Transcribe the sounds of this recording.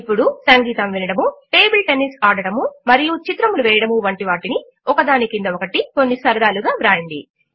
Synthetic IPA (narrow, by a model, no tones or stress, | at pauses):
pːuɽusɐŋɡiːt̪ɐmʋinɐɽɐmuʈe̞ːbilʈe̞nisaːɽɐɽɐmumɐɾijut͡ʃit̪ɾɐmuluʋɛːjɐɽɐmuʋɐɳʈiʋaːʈini | ɔkɐd̪aːnikind̪ɐokɐʈiko̞nːisɐɾɐd̪aːluɡaːʋɾaːjɐɳɖḭ